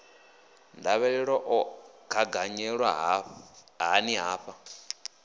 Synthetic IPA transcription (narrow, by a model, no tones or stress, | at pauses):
ndaβɛɺɛɺɔʔɔkʰaɡaɲɛɺwaɦ | ɦaniɦaːɸa